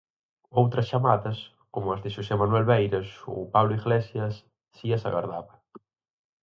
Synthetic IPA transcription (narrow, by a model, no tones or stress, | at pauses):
owt̪ɾɐst͡ʃamaðɐs | komʊazðɪʃosɛmanuɛlβejɾɐso̰paβlʊiɣlesjɐsː | iɐsa̰ɣa̰ɾðaβɐ